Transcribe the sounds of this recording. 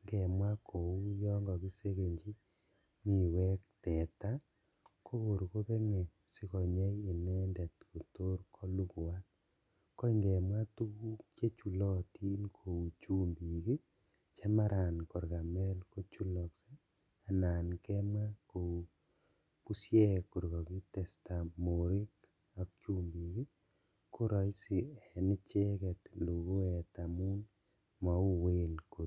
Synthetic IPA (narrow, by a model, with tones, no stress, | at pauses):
ŋɡɛ˨mwa˦kʰo˨u˦jɔ˦ŋɡɔ˨ki˦se˦ke˨ɲd͡ʒi˦ | mi˦˨wɛ˦k̚tɛ˨ta˦ | ko˦wo˨ɾko˦pe˦ŋe˨ | si˦kɔ˨ɲe˦i˨nɛ˦ndɛ˨tko˨to˦ɾkʰɔ˦lu˦kwa˦t̚ | kːɔ˦i˨ŋɡɛ˨mwa˦tu˦ku˦t͡ʃe˦t͡ʃu˨lɔ˦ti˦nkʰo˨u˨t͡ʃu˦mbi˨ki˦ | t͡ʃɛ˦ma˦ɾʔa˨nkɔ˨ɾɡa˨mɛ˦lko˦t͡ʃu˦lɔ˨kse˦ | a˨na˨nkɛ˦ma˦ko˨ | pu˦sjɛ˦ku˨ɾɡɔ˨ki˦tɛ˨sta˨mo˨ɾi˦k | a˨kt͡ʃu˦mbi˨ki˦ | ko˦ɾɔ˨i˦si˨ɛ˨nɪ˦t͡ʃe˦kɛ˨tlo˨ɡo˦ɛ˨ta˨mu˦n | ma˨u˦we˦lko˨t